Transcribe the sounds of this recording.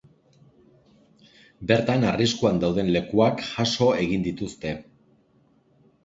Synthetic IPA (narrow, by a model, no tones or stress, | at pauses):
be̞ɾt̪anariskuand̪awð̞e̞nle̞kuakʝaso̞e̞ɣ̞ind̪it̪ust̪e̞